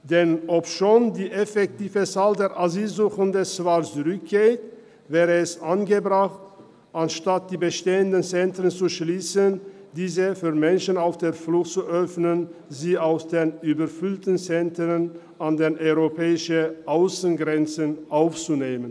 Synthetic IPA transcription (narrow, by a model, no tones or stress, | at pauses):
d̥ɛnɔpʃoːndiːʔefɛk̚tiːvət͡saːldeːɐʔazyːlzuːxən̩dɛsvalt͡sʊʁʏk̚ɡ̥eːt | vɛːʁəɛsʔanɡəbʁaχt | ʔanʃtat̚d̥iːbəʃteːəndənt͡sɛntʁənt͡suʃliːsəndiːzəfyːʁmɛnʃən̩aʊfd̥eːɐflʊxtt͡suʔœfnənziːaʊsd̥eːnyːbɐɐfʏltən̩t͡sɛntʁən | ʔandeːnʔɔʏʁopʰɛːɪʃəʔaʊsən̩ɡʁɛnt͡sənʔaʊft͡suneːmən